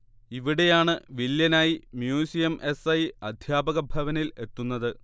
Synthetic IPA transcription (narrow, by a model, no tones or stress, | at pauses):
iʋiɽe̞jaːɳɨʋiljɐnaːjimjuːsijɐmʔe̞sɐjɐd̪ʱjaːbɐɣɐbʱɐʋɐnile̞t̪ːunːɐðɨ